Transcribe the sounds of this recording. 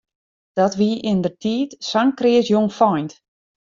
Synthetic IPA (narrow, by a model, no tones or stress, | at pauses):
d̥ɔtʋiʔɪndərtʰiːtsaŋkrɪəsjoŋfɔjnt